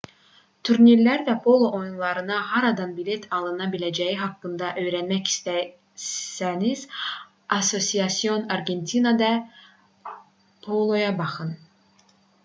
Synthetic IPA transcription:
t̪ʰuɾniɾlʲæɾvæpʰo̞lˠoʔojunlˠɑɾɯnɑɦɑɾɑd̪ɑnbilʲet̪ʰɑlˠɯnɑbilʲæd͡ʒæjiɦɑkːɯnd̪ɑʔø̞jɾænmæci̥st̪æ | sæniz | ɑso̞sijɑsijo̞nɑɾɡe̞nt̪ʰinad̪ɑ | pʰolˠo̞jɑbɑχɯn

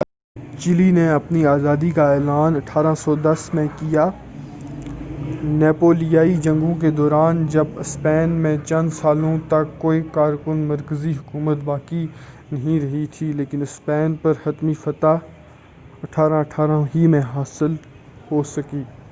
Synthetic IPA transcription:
t͡ʃɪlineɐpniaːzaːd̪ikaɛːlaːnɐʈʰaːɾãsɔːd̪ɐsmẽkijaː | nɛːpoːlijaːid͡ʒɐ̃ŋɡõk̬ed̪ɔːɾaːnd͡ʒɐbɪspɛːnmẽt͡ʃɐ̃nd̪saːlõt̪ɐkːoːikaːɾkʊnmɐɾkəziɦʊkuːmət̪baːki | nɐɦĩɾɐɦit̪ʰileːkɪnɪspɛːnpɐɾhɐt̪mifɐt̪a | ɐʈʰaːɾãɐʈʰaːɾãɦimẽɦaːsɪl | hoːsɐkiː

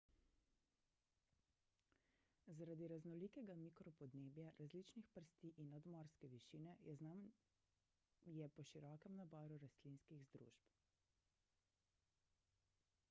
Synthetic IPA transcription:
zaɾad̪iɾaznɔliːkɛɡamikɾɔpɔd̪neːbjaɾʔazliːt͡ʃnixpəɾst̪iʔinːad̪mɔːɾskɛʋiʃiːnɛa | jɛpɔʃiɾɔːkɛmnabɔːɾuɾast̪linskiɣzd̪ɾṵːʒp

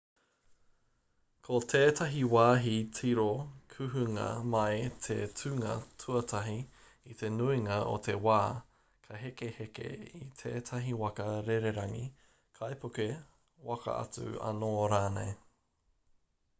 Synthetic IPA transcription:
kʰot̪ʰeːtʰɐɦiwaːɦitʰiɾokʰʉɦʉŋɐ̰mɐet̪ʰḛtʰʉŋɐ̰tʰuɐtʰɐɦi | it̪e̞nuiŋɐʔo̰t̪ʰe̞waː | kʰɐɦekehekḛit̪ʰeːt̪ʰɐɦiwɐkɐɾeɾeɾɐŋḭ | kʰɐjpʰoke | wɐkɐ̰ʔɐ̰t͡sʉ̰ɐ̰noːɾaːnḛj

